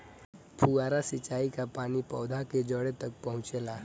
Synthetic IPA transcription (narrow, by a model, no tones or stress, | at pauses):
pʰuaːɾasɪt͡ʃaːikapaːnipɔːd̪ʱaked͡ʒəɽet̪ɐk̚pɐɦʊ̃t͡ʃeːlaː